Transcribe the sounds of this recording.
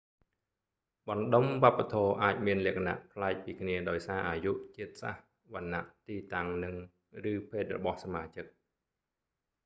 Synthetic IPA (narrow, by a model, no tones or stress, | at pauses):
ɓɑnɗomʋŏəpːat̪ʰɔːʔaːc̚miənlɛ̆əkʰana̰ʔpʰlaɛk̚piːkʰniəɗaɔjsaːʔaːjuʔt͡ɕiət̪̚sa̰h | ʋanːaʔt̪iːt̪aŋnɨŋ | rɨːpʰeːt̪̚rɔ̰ɓɑhsamaːt͡ɕɨk̚